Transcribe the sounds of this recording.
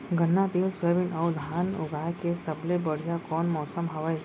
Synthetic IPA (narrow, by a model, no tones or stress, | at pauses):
ɡʱənːat̪iːlsəʋinɐwd̪ʱaːnʊɡʱaːjkesɐblebəɽ̤ijakɔːnmɔːsəmɦɐʋəj